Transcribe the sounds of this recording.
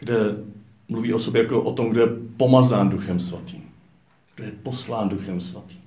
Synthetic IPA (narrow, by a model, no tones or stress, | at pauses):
ɡ̥dɛ | mluviːʔosobjɛjakoʔot̪omɡdojɛpo̞mazaːnduxɛmsvat̪iːm | ɡ̥dojɛpo̞slaːnduxɛmsvat̪i̥ːm